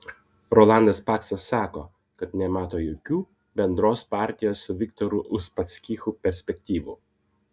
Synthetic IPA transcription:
ɾɔːlˠɑˑnd̪ɐspɑːksɐsːɑːkoː | kɐt̪nʲɛmɑːt̪oːjoːkʲuː | bʲɛnd̪ɾoːspɑˑɾʲt̪ʲɪjoːsːʊʋʲɪkt̪ɔɾʊʔʊʃpɐt̪sʲkʲiːxuːpʲɛɾʲsʲpʲɛkʲt̪ʲiːʋṵː

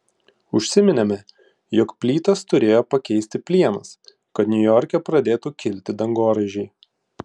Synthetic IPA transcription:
ʊʃʲsʲɪmʲɪnʲɛmʲɛ | joːkpʲlʲiːt̪ɐst̪ʊɾʲeːjoːpɐkʲɛɪsʲt̪ʲɪpʲlʲiɛnɐ̰s | kɐt̪nʲʊjɔɾʲkʲɛpɾɐd̪ʲeːt̪uːkʲɪlʲt̪ʲɪd̪ɐŋɡoːɾɐʒʲɛɪ

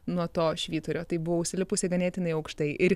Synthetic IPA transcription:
nuɔt̪oːʃʲʋʲiːt̪ʊɾʲoːt̪ɐɪbʊʋoːʊʃʲsʲɪlʲɪpʊsʲɪɡɐnʲeːt̪ʲɪnɐɪɐʊkʃt̪ɐɪʔɪɾ

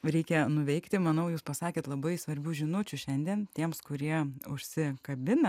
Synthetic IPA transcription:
ɾʲɛɪkʲɛnʊʋʲɛɪkt̪ʲɪmɐnɐʊjuːspɐsɑːkʲeːt̪lˠɐbɐɪsʋɐɾʲbʲuːʒʲɪnut͡ʃʲuʃʲɛnʲd̪ʲiɛnt̪ʲiɛmskʊɾʲiɛʊʃʲsʲɪkɐbʲɪnɐ

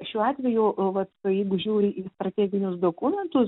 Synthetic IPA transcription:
ʃʲuːɑːt̪ʲʋʲɛjʊʋɐt̪jɛɪɡʊʒʲuːɾʲɪʔiːst̪ɾɐt̪ʲæːɡʲɪnʲʊsd̪oːkʊmʲɛnt̪ʊs

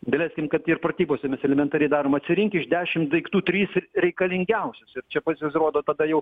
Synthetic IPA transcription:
bʲɛlʲæːsʲkʲɪmkɐt̪ːɪrprɐt̪ʲiːboːsʲɛmʲɛsɛlʲɛmʲɛnt̪ɑːɾʲɛɪd̪ɑːɾoːmɐt̪ʲsʲɪɾʲɪŋʲkʲɪʃd̪ʲæːʃʲɪmd̪ɐɪkt̪uːt̪ʲɾʲiːsɾʲɛɪkɐlʲɪŋʲɡʲɛʊsʲɛsɪrt͡ʃʲɛpɑsjuːsroːd̪oːt̪ɐd̪ɐjɛʊ

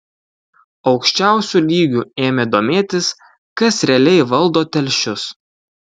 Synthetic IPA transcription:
ɒʊkʃʲt͡ʃʲæˑʊsʲuːˑlʲiːɡʲueːmʲed̪oːmʲeːt̪ʲɪs | kɐsɾʲɛɐlʲɛɪʋɐlˠˑd̪oːt̪ʲɛlʲʃʲʊs

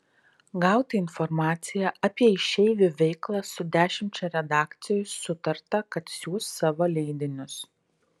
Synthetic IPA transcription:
ɡɑˑʊt̪ʲɪɪnfɔɾmɑːt̪sʲɪjæʔɐpʲiɛɪʃʲɛɪlʲʊʋʲɛɪklˠɑsʊd̪ʲæːʃʲɪmʲt͡ʃʲɛɾʲɛd̪ɑːkt̪sʲɪjʊsːʊt̪ɐɾt̪ɐkɐt̪sʲuːst̪ːɑːʋolʲɛɪd̪ʲɪnʲʊs

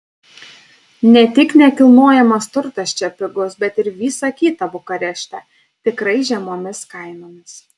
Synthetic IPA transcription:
nʲɛt̪ʲɪknʲɛkʲɪlˠnoːjɛmɐst̪ʊɾt̪ɐsʲt͡ʃʲɛpʲɪɡʊsbʲɛt̪ɪɾʋʲiːsɐkʲiːt̪ɐbʊkɐɾʲɛʃʲt̪ʲɛ | t̪ʲɪkɾɐɪʒʲɛmoːmʲɪskɐɪnoːmʲɪs

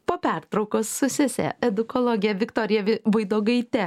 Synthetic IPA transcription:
poːpʲæɾt̪ɾɒʊkoːsːʊsʲɪsʲɛ̰ɛd̪ʊkoːlˠɔɡʲɪjɛʋʲɪkt̪oːɾʲɪjɛʋɐɪd̪oːɡɐɪt̪ʲɛ

